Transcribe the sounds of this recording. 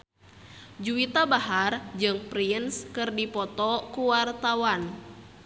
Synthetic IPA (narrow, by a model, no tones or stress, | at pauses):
d͡ʒuit̪abaɦard͡ʒɨŋpɾinskɨrdipɔt̪ɔkuwart̪awan